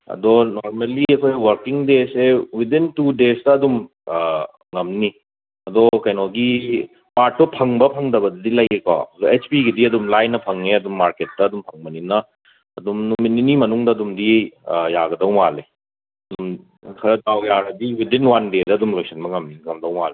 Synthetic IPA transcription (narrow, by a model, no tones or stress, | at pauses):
ɐ̰dɔnoɾmeliɐkʰojwɐɾkiŋdesewidintudestɐːdum | ŋɐmni | ɐdɔkɐjnɔɡi | paɾʈ̚ːupʰɐŋbɐpʰɐŋdɐbɐdɐdilɐjeka̰ɐdɔet͡ʃpiɡidiɐdumlajnɐpʰɐŋeɐdumːaɾket̚ːɐːdumpʰɐŋbɐninɐ | ɐdumnumininimɐnuŋdɐɐdumdijaɡɐdɐwmale | ɐdum | kʰɐɾɐdawjaɾɐdiwidinwandedɐɐdumlojsɐnbɐŋɐmniŋɐmdɐwmale